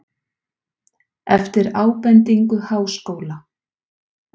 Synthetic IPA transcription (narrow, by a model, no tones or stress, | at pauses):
ɛft̪ɪɾaːwpɛnt̪iŋkʏhaːwskoːwla